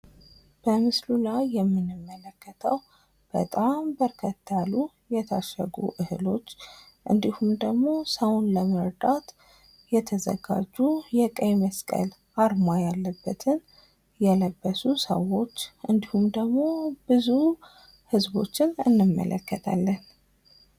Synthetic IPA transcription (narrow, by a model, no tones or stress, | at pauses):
b̥əmɨslulajːɛmːɨnːɨmːələkːət̪ʰəw | b̥ə̰t̪ʼambəɾkʰət̪ʰːalu | jɛt̪ʰaʃəɡṵʔɨhɨlo̞t͡ʃː | ʔɨ̰nd̪ihumd̪əɡmo̞səwʊnləməɾd̪ʼat̪ | jɛt̪ʰəzə̰ɡa̰d͡ʒːujɛkʼəjməskʼə̰l | ʔaɾmajalːəbːət̪ʰɨn | jɛləbːəsusə̰wːo̞t͡ʃːʔɨnd̪ihumd̪əɡmo̞b̥ɨzu | hɨzbo̞̰t͡ʃːɪnɨnːɨmːə̰lʔə̰kːət̪ʰa̰lːən